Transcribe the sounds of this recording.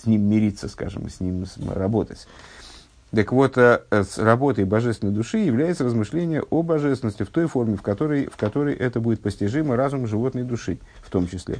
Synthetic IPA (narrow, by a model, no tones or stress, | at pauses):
sʲnʲimːʲɪɾʲit̪sːəska̰ʐɨ̰msʲnʲimsrɐbo̞t̪ətʲ | t̪əkvo̞t̪əsrɐbo̞t̪əjbɐʐɛst̪ʲɪnːəjd̪ʊʂɨjɪvlʲæjɪt̪səɾəzmɨʂlʲenʲɪjəʔobɐʐɛst̪vɪnəsʲtʲɪft̪o̞jfo̞rmʲɪfkɐt̪oɾəjfkɐt̪o̞ɾəjʔɛt̪əbudʲɪt̪̚pəsʲtʲɪʐɨməɾazʊmʐɨvo̞t̪nəjd̪ʊʂɨ | ft̪o̞mt͡ɕɪsʲlʲḛ